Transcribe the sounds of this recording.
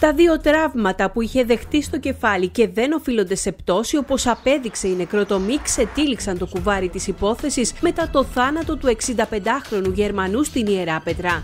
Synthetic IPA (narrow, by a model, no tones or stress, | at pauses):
t̪ɐðio̞t̪ɾɐvmɐt̪ɐpuiçe̞ðe̞xt̪ist̪o̞ce̞fɐlice̞ðe̞no̞filo̞nd̪e̞se̞pt̪o̞sio̞po̞sɐpe̞ðikse̞ine̞kɾo̞t̪o̞mikse̞t̪iliksɐnt̪o̞kuvɐɾit̪isipo̞θe̞sisme̞t̪ɐt̪o̞θɐnɐt̪o̞t̪ue̞ksind̪ɐpe̞nd̪ɐxɾo̞nuʝe̞ɾmɐnust̪inie̞ɾɐpe̞t̪ɾɐ